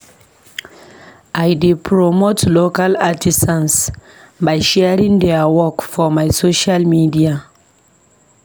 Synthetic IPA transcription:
ajdepʰɹɔmotlokalatʰisãns | bajʃɛɹĩŋdɛawɔkfɔmajsoʃalmidia

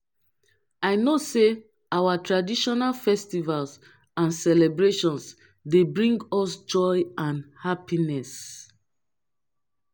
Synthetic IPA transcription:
ajnose | awatɹadiʃɔnalfɛstivals | ãnsɛlɛbɹeʃɔ̃ns | debɹĩŋɡɔsd͡ʒɔjãnhapinɛs

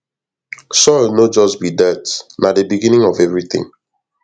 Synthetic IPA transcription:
sɔlnod͡ʒɔsbidɛtnadəbiɡĩnĩŋɔvɛvɹiθɪ̰̃ŋ

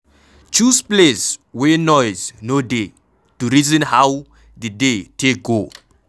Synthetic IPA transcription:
t͡ʃuspleswenɔjznode | tuɾizɔ̃nhaw | didetek̚ɡo

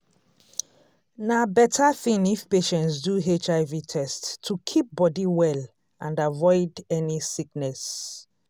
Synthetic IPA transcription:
nabɛtʰaθĩnifpeʃɛ̃ntsduɦet͡ʃaɪvitʰɛstʰːukʰip̚bɔdiwɛl | ʔãnavɔɪdɛnisiknɛs

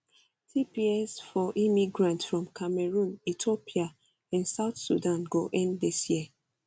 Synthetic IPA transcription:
tʰipiɛsfɔʔimiɡɹãntsfɹɔ̃mkʰamɛɹũnitʰopia | ãnsaʊtsṵdãnɡoʔɛ̃ndisjiə

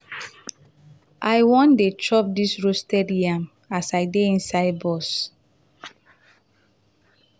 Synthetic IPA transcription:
ʔajwɔ̃ndetɹɔp̚disɹostediãm | asaɪdeĩnsaɪdbɔs

